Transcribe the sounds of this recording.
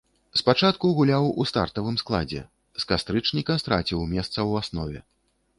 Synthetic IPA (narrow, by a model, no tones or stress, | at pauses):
spat͡ʂat̪kuɣulʲawust̪a̰rt̪ɐvɨmsklˠa̰d͡zʲɛ̰ | skast̪ɾɨt͡ʂnʲikɐst̪ɾa̰t͡sʲiwmʲɛst̪sɐwasnɔvʲɛ̰